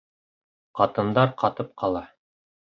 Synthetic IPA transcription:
qɑt̪ɤ̆nd̪ɑɾqɑt̪ɤp̚qʰɑlˠɑ

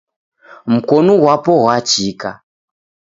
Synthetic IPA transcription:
m̩kɔnuwapɔɦwat͡ʃika

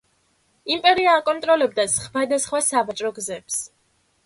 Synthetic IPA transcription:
impʼɛɾiaːkʼɔnt̪ʼɾɔlɛb̚d̪asχvad̪asχwasavat͡ʃʼɾɔɡzɛps

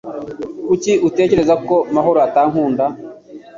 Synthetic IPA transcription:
uciute̞ːce̞ɾe̞zako̞maɦo̞ɾoataːŋ̥huːnda

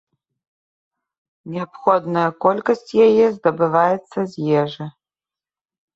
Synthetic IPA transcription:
nʲɛɐpxɔd̪nɐjɐkɔlʲkɐsʲt͡sʲjajɛzd̪ɐbɨvajɛt̪sːɐzʲjɛʐɨ

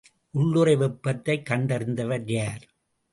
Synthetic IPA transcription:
ʔʊɭːʊɾɐɪʋɪpːɐt̪ːɐɪkːɐɳɖɐɾɪnd̪ɐʋɐɾjaːɾ

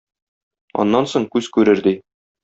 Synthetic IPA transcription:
ɒ̰nːɑnsoɴkʉzkʉɾɘɾd̪i

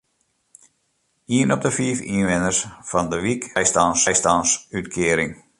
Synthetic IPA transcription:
iənɔp̚dəfiəfḭnʋɪnərsfɑndəʋikɛjstɑnsjstɑnsytkʰɪəɾɪŋ

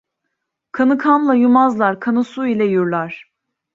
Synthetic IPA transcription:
kʰanɯkʰanlˠajumazlˠaɾkʰanɯsuilʲɛjuɾlˠaɾ̝̥

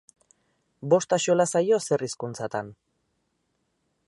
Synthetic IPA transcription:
bo̞st̪aʃolasajo̞se̞riskunt͡sat̪an

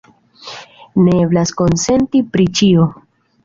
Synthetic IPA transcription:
neeblasko̞nse̞ntipɾit͡ʃio

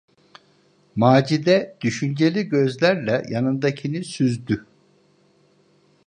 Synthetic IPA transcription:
maːd͡ʒid̪ɛd̪̥yʃynd͡ʒe̞lʲiɟøzlʲæɾlʲɛjanɯnd̪acʰinisyzd̪y

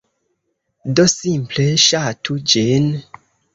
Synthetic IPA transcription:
dosimpleʃatʰud͡ʒin

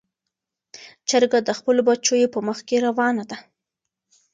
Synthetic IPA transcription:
t͡ʃaɾɡad̪əxpəlobat͡ʃojepəməxkeɾawɑnad̪a

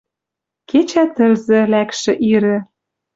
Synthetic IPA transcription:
ket͡ɕæt̪ə̆lzɘ̆lækʃɘ̆ʔiɾɘ̆

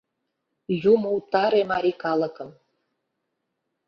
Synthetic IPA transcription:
jumuwt̪ɑɾemɑɾʲikɑlˠɤ̆kɤ̆m

